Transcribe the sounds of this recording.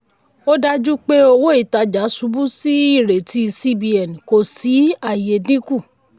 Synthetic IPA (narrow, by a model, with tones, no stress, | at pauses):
o˦da˦d͡ʒu˦k͡pe˦o˧wo˦i˦˨ta˨˧d͡ʒa˨˦su˨˧˦bu˦si˦i˦˨ɾe˨ti˧˦˧si˦bi˧ɛ˨n˨ko˨si˨˦a˦˨je˨dĩ˦ku˦˨